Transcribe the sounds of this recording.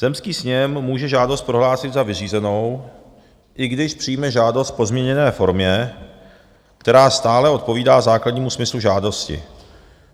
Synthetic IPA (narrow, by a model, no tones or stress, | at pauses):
z̥ɛmskiːsɲɛmmuːʒɛʒaːdost̪pɾo̞ɦlaːsɪd̪zavɪriːzɛno̞w | ʔɪɡdɪʃpr̝̥ijmɛʒaːdo̞st̪̚po̞zmɲɛɲɛnɛːfo̞ɾmɲɛ | k̚t̪ɛɾaːst̪aːlɛo̞t̪̚po̞viːdaːzaːkladɲiːmusmɪsluʒaːdo̞scɪ̰